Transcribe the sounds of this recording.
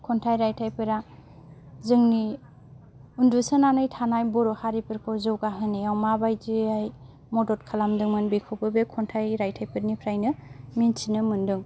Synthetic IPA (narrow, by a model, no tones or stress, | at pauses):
kʰɔntʰajɾajtʰajpʰɯɾa | zɯŋni | undusɯnanɯjtʰanajbɔɾɔhaɾipɯɾkʰɔzɯwɡaɦɯneawmabajdiaj | mɔdɔtkʰalamdɯŋmɯnbikʰɔwpɯbekʰɔntʰajɾajtʰajpʰɯɾnipʰɾajnɯmint͡ʃʰinɯmɯndɯŋ